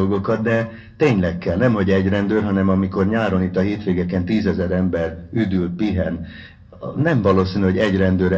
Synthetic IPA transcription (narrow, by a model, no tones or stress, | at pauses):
olɡo̞kɒt̪d̪ɛ | t̪eːɲlɛkːɛlnɛmɦo̞ɟɛɟrɛnd̪øːrɦɒnɛmɒmiko̞rɲaːɾo̞nit̪ːɒɦeːt̪ʋeːɡɛkɛnt̪iːzɛzɛɾɛmbɛryd̪yl̚piɦɛn | nɛɱvɒloːsiːnyɦo̞ɟɛɟrɛnd̪øːɾ